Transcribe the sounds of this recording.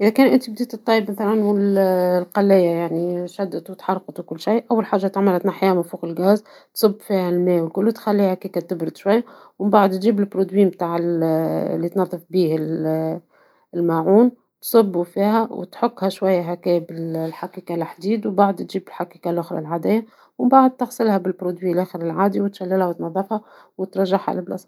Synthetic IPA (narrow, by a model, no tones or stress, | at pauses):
ʔɪðækɛːnʔɪnt̪ib̚d̪iːt̪ɨt̪ˤːɑːjːɪbmaθalænwɪllqɑlːɪjːajaʕniʃæd̪ːat̪wt̪ħɑɾˤqɑt̪ˤwkʊlːʃijʔæwːalħaːʒːat̪aʕmalæt̪naħjæmafuːqɪlɡæːzt̪sˤɨbːfiːhælmɛːwɪlkʊlːt̪xælːiːhækikæt̪ɪbɾɪd̪ʃwajːa | wmbaʕd̪t̪ʒiːbɪlbɾud̪wiːnbt̪aːʕɪllːit̪nɑðˤːɨfbiːhɪl | lmaʕuːn | t̪sˤɨbːufiːhæwɪ̰t̪ħʊkːhaʃwajːaɦækɛːbɪllħakiːkalħd̪iːd̪wbaʕd̪t̪ʒiːbɪlħakiːkalʔʊxɾˤɑ̰lʕad̪ɪjːa | wmbaʕd̪̚t̪ɑxsˤɨlhabɪlbɾud̪wiːlʔæːxɪɾɪlʕaːd̪iwɪt̪ʃælːɪlhæwt̪nɑðˤːɑfhɑ | wɪt̪ɾˤɑʒːaħha̰lɪblʔɑsˤɑ